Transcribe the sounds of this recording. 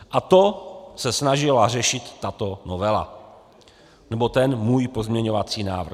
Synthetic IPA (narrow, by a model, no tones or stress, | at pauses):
ʔat̪osɛsnaʒɪlar̝ɛʃɪt̪ːat̪onovɛla̰ | nɛbo̞t̪ɛnmuːjpozmɲɛɲovat͡siːna̰ːvr̩